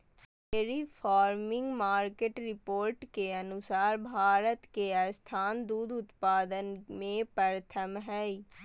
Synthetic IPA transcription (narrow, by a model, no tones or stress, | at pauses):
eːɾipʰaːɾmɪ̃ŋɡmaːɾkeʈɾɪpoːɾʈkeənʊsaːɾbʱaːɾət̪kest̪ʰaːnd̪uːd̪ʊt̪paːd̪ənmẽpəɾət̪ʰəmɦɛːi